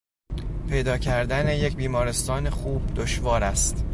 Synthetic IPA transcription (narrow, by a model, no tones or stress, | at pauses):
pʰe̞jd̪ɒːcʰæɾd̪æne̞je̞cʰbiːmɒːɾe̞st̪ɒːne̞xuːb̥̚d̪oʃvɒːɾæst̪